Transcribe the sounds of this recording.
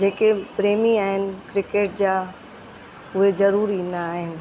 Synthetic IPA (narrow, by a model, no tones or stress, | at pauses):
d͡ʑeːkepɾeːmiaːɦɪnɪ̆kɾɪkeːʈ̚d͡ʑaː | ʊɦezɐɾuːɾĩːnd̪aːɦɪnɪ̆